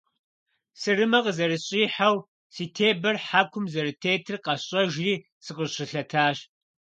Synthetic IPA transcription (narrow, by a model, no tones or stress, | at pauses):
sɨrɨmɐqəzɐɾɨɕʼiːħaw | siːtʰeːbɐrħaːkʷʰʊmzɐɾɨtʰeːtʰɨrqɐɕʼɐʒriː | sɨqəɕɪɬɐtʰaːɕ